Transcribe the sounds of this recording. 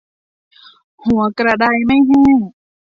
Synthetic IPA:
hu˩˦ɐkɾa˧˩da˧˩jma˥˩jɦiː˧˥˩

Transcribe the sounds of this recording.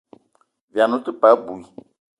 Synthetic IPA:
vi˨a˨nʊ̃˦t̪u˦pa˨˦bu˨i˨

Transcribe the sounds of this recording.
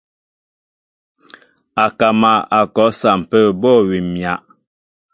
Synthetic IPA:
a˨ka˨ma˨a˨kɔ˨˦sa˨m̩˨pɛ˦˨bɔ˦˨wi˨mja˨ʔ

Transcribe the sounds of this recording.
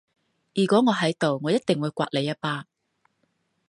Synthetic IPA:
jyː˨˩kʷɔː˨˥ŋɔː˨˧ɦɐ˨˥jt̪o˨wŋɔː˨˧jɐ˥t̚t̪ɪ˨ŋwuː˨˧jkʷa̰ː˧t̚le˨˧jːa˥paː˧

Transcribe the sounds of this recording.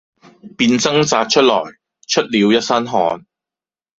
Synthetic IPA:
piː˧nt͡sɐ˥ŋt͡saː˧t̚t͡ʃʰɵ˥t̚lɔ̰ː˨˩j | t͡ʃʰɵ˥t̚liː˨˧wjɐ˥t̚sɐ˥nɦɔː˨˧n

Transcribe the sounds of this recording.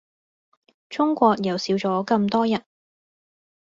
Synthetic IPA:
t͡sʊ˥ŋkʷɔː˧k̚jɐ˨˩wsiː˨˧wt͡sɔː˨˥kɐ˧mt̪ɔː˥jɐ˨˩n

